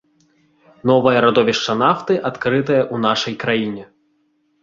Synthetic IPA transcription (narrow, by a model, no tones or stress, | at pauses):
n̪ɔvɐjɐɾad̪ɔvʲiʂt͡ʂɐnaft̪ɨʔat̪kɾɨt̪̬ɐjɐʔunaʂɐjkɾajinʲɛ